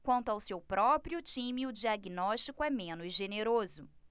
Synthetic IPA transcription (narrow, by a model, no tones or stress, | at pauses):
kwɐ̃nt̪ʊawsewpɾɔpɾiʊt͡ʃĩmɪʊd͡ʒiaɡinɔʃt͡ʃikʊɛmẽnʊzʒeneɾozʊ